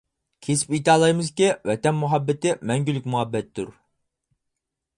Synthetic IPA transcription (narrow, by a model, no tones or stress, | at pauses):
kʲʰesɪ̥pit̪ɑːlˠɑjmɨzkʲiwɛt̪ɛnmuɦɑbːɪt̪ɪmɛŋɡʲylykʲmuɦɑbːɛt̪d̪uɾ